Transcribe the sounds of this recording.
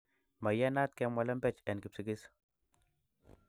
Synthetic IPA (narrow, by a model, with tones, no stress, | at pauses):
ma˨ja˦na˦t̪̚kɛ˨mwa˨lɛ˦mbɛ˦t͡ʃɛ˨nki˨psi˨ɡi˦s